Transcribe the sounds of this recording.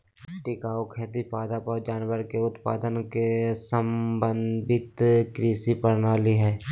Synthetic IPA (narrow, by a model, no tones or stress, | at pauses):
ʈɪkaːokʰeːt̪ipaːd̪apad͡ʒaːnwəɾkeʊt̪pa̰ːd̪ənkesəmbənd̪ɪt̪kɾiːsipəɾnaːliɦɛː